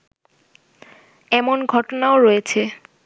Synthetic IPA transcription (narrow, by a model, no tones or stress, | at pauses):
ɛmonɡʱɔʈonaoɾɔet͡ɕʰe